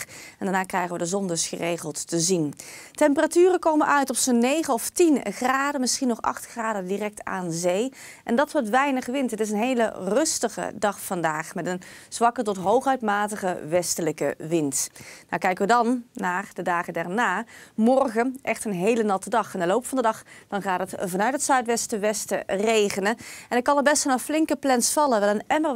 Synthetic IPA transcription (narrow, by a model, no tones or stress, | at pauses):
ɛndaːɹnaːkrɛjχəʋədəzɔndɵsχə̰rejχəlˠtːəzintɛmpəratyːrəkowmənʔœɥtɔfsonːejχənɔftinχraːdəmɪsχinɔχɑ̰χtχraːdədirɛk̚tʰa̰ːnzej | ʔɛndɑtʋɔtʋɛjnəχəʋɪntɦətɪs̬ənɦejlə̰rɵstəχə̰dɑχfɑndaːχmɛtənz̥ʋɑkətɔtɦowχœɥtmaːtəχəʋɛstələkə̰ʋɪntnakɛjkəʋədɑnːaːrdədaːχədɛɹnaːmɔrχənʔɛχtənɦejlənɑtədɑχɛndəlowpfɑndədɑχd̥ɑnχaːtɦətvɑnœɥtɦətsœɥtʋɛstəʋɛstərejχənəɛnɪt̚kːɑ̃nəbɛstənɔflɪŋkəplɛnsfɑlˠəʋɛlˠənɛmə